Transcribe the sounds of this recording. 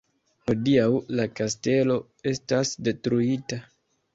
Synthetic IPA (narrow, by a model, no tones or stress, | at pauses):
ho̞diawlakaste̞lo̞ | e̞stasde̞tɾuita